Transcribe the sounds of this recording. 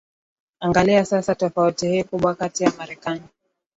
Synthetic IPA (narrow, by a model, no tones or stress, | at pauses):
aŋɡaliasasatɔfautihiːkuɓwakatijamaɾɛkani